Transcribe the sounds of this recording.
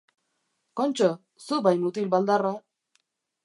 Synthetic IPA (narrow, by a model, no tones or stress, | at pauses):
kont͡ʃo | subajmut̪ilbald̪ara